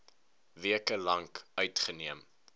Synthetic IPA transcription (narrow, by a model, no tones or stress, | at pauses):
viəkəlɐŋkœɥtχəniəm